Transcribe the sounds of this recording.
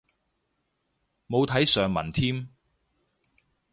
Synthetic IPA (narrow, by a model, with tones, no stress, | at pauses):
mo˨˧wt̪ʰɐ˨˥jsœː˨˧ŋmɐ̰˨˩nt̪ʰiː˥m